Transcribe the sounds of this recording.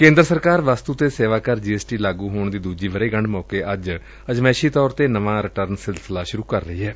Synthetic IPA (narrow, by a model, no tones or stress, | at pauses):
kẽːnd̪ɾəsəɾkaːɾʋaːst̪uːt̪eːseːʋaːkəɾd͡ʒiːeːsʈiːlaːɡuːɦoːɳd̪iːd̪uːd͡ʒiːʋəɾeːɡəɳɖmɔːkeːʔəd͡ʒ | əd͡ʒmɛːʃiːt̪ɔːɾt̪eːnəʋãːɾɪʈəɾnsɪlsɪlaːʃʊɾuːkəɾːəiːɦɛː